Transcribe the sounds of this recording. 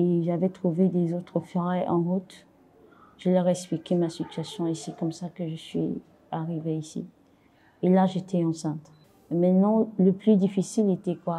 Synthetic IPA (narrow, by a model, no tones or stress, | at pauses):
eʒavɛt̪χuved̪ezot̪χəfɔʁɛʔɑ̃ʁut̪ | ʒ̥əlœʁɛksplikʲɛmasit̪ɥasjɔ̃esɛkɔmsakəʒəsɥḭ | aʁiveisḭ | elaʒet̪ʰɛɑ̃sɛ̃t̪ | emɛ̃t̪nɑ̃ləplyd̪ifisilet̪ɛkwa